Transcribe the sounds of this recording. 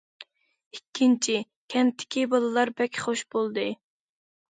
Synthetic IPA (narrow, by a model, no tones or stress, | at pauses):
ikʲʰːint͡ʃʰi | kʲʰɛnt̪ʰːɪ̥kʲibɑlˠɨlˠɑɾbɛkʲχoʃb̥olˠd̪ɨ